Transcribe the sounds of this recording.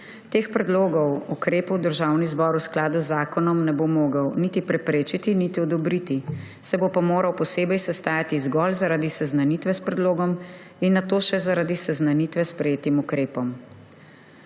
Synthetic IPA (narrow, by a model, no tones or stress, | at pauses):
t̪eːxpɾɛd̪loːɡɔwukɾeːpɔwd̪əɾʒawnizbɔɾusklaːd̪uzːaːkɔnɔmnɛbomoːɡəwnit̪ipɾɛpɾeːt͡ʃit̪init̪iɔd̪ɔbɾit̪i | sɛbopamoːɾawpɔseːbɛjsɛst̪aːjat̪izɡɔlzaɾaːd̪isɛznanit̪ʋɛspɾɛd̪loːɡɔm | inːat̪oːʃɛzaɾaːd̪isɛznanit̪ʋɛspɾɛjeːt̪imukɾeːpɔm